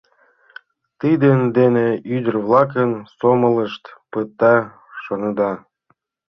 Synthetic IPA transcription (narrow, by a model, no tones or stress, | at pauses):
t̪id̪end̪eneyd̪ərβlɑk̬ənsomələʃt̪pət̪ːɑ | ʃonəd̪ɑ